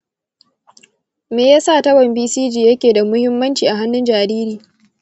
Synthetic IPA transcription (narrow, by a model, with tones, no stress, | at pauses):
meː˨jaː˦saː˦˨tɐ˦wɐ˨mbiː˦siː˦d͡ʒiː˨jɐ˦kʲeː˨da˨mʊ˦hɪ˦mːɐ˦nt͡ʃiː˨ʔa˨ɦa˦nːʊ˦nd͡ʒaː˨ɾiː˦ɾiː˨